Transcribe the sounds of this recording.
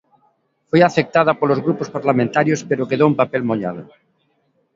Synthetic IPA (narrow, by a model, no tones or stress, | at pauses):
fojafek̚t̪að̞apolozɣɾupospaɾlamẽnt̪aɾjospeɾokeðoumpapelmoʎa̰ð̞o